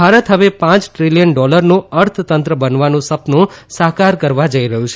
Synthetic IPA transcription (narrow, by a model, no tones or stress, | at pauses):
bʱaɾət̪ɦəʋepãt͡ʃʈɾilijənɖɔləɾnõəɾt̪ʰt̪ənt̪ɾəbənʋanũsəpnõsaɦkaɾkəɾʋad͡ʒəiɾəɦũt͡ʃʰe